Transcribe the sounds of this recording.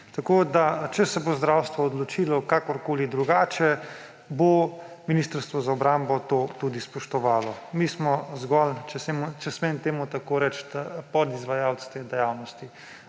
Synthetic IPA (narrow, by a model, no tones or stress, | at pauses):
t̪akoːd̪at͡ʃɛsɛbozd̪ɾawst̪ʋɔːd̪lɔt͡ʃilɔkakɔɾkoːlid̪ɾuɡaːt͡ʃɛ | bominiːst̪əɾst̪ʋɔzaɔbɾambɔt̪ot̪ud̪ispɔʃt̪ɔʋaːlɔmismɔzɡɔlt͡ʃɛsemut͡ʃɛsment̪eːmut̪akoɾɛt͡ʃt̪pɔd̪izʋajaw̪st̪ed̪ɛjawnɔst̪i